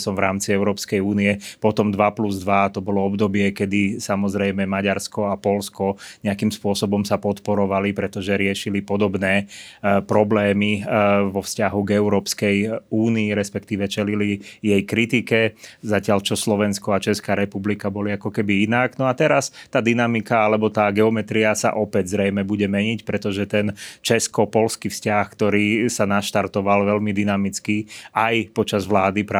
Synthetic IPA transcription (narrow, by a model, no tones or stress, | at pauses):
sɔmvɾaːmt͡siɛʊɾɔːpskɛjuːniɛpɔt̪ɔmd̪ʋapluzd̪ʋat̪ɔbɔlɔɔbd̪ɔbɪɛkɛd̪isamɔzɾɛjmɛmaɟaɾskɔapɔlskɔɲɛakimspʊɔsɔbɔmsapɔt̪pɔɾɔʋalipɾɛt̪ɔʒɛɾɪɛʃilipɔd̪ɔbnɛːpɾɔblɛːmiʋɔfscaɦuɡɛʊɾɔːpskɛjuːniːɾɛspɛkt̪iːʋɛt͡ʃɛlilijɛjkɾit̪ikɛzacɪaʎt͡ʃɔslɔʋɛnskɔat͡ʃɛskaːɾɛpublikabɔliakɔkɛbiinaɡnɔat̪ɛɾast̪aːd̪inamikaalɛbɔt̪aːɡɛɔmɛt̪ɾiasa̰ʔɔpɛɟzɾɛjmɛbuɟɛmɛɲicpɾɛt̪ɔʒɛt̪ɛnt͡ʃɛskɔpɔlskifscaxkt̪ɔɾiːsanaʃt̪aɾt̪ɔʋalʋɛlmid̪inamit͡skiajpɔt͡ʃazʋlaːd̪ipɾa